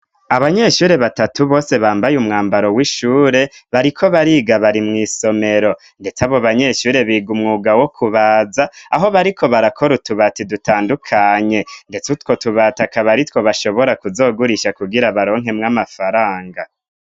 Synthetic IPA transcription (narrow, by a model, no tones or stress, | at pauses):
aβaɲe̞ʃuːɾe̞βatatuβo̞ːse̞βaːmbajumŋaːmbaɾo̞wiʃuːɾe̞βaɾikʰo̞βaɾiɡaβaɾimŋiːso̞me̞ɾo̞ | nde̞t͡saβo̞βaɲe̞ʃuːɾe̞βiːɡumŋuːɡawo̞kʰuβaːzaːɦo̞βaɾikʰo̞βaɾakʰo̞ɾutuβatidutaːndukʰaɲe̞nde̞t͡sutkwo̞tuβaːtakaβaɾitwo̞βaʃo̞βo̞ɾakuzo̞ːɡuɾiʃakuɡiɾaβaɾo̞ːŋ̥ɦe̞mŋamafaɾaːŋɡa